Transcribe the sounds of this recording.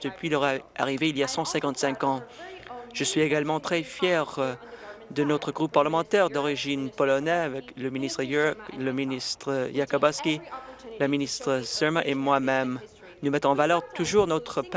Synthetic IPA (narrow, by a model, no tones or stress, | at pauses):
d̪̥əpɥilɔʁaa̰ʁiveiljasɑ̃sɛ̃kɑ̃t̪sɛ̃kɑ̃ | ʒ̥əsɥieɡalmɑ̃t̪χɛfjɛʁ | d̪ənɔt̪χəɡʁupːaʁləmɑ̃t̪ɛʁd̪ɔʁiʒinpɔlɔnɛavɛkləminist̪χəjləminist̪χəjakɔbaskʲilaminist̪χəsɛmaʔemwamɛm | numɛt̪χɑ̃valœʁt̪uʒuʁnɔt̪χəp